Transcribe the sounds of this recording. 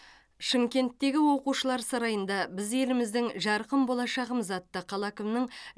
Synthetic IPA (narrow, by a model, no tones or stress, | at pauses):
ʃɪmkʲe̞nt̪ːe̞ɡʲɪwo̞quʃəlˠɑɾsɑɾɑjənd̪ɑbɪze̞lɪmɪzd̪ɪŋʒɑɾqəmbo̞lˠɑʃɑʁəməzɑt̪ːəqʰɑlˠɑkʲɪmnəɴ